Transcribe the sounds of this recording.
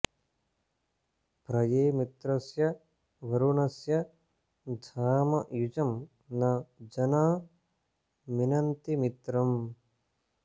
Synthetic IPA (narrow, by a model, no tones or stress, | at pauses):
pɾɐjeːmit̪ɾɐsjɐ | ʋɐɾunɐsjɐ | d̪ʱaːmɐʔjud͡ʒɐm | nɐd͡ʒɐnaː | minɐnt̪imit̪ɾɐm